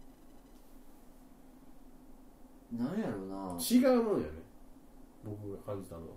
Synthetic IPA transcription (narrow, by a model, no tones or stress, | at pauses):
nãjaɾonat͡ɕiɡaɯmojonḛ | bo̞kɯ̟ɡakʰãɲʲd͡ʑit̪aɾ̰